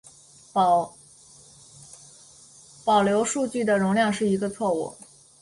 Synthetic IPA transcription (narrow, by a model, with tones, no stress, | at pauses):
pɑ˨˩ʊljo˧˥ʊʂu˥˧t͡ɕy˥˩d̪ə˩ɻʊ˧˥ŋljɑ˥˧ŋʂɻ̩˥˩i˧˥ɡə˧t͡sʰwɔ˥˧ṵ˥˩